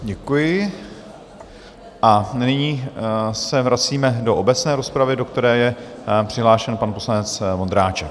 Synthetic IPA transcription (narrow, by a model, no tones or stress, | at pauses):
ɟɛkujɪ | ʔanɪɲiːsɛvɾat͡siːmɛdo̞ʔobɛt͡snɛːɾo̞spɾavɪdokt̪ɛɾɛːjɛpr̥ɪɦlaːʃɛnpanposlanɛt͡smond̪ɾaːt͡ʃɛk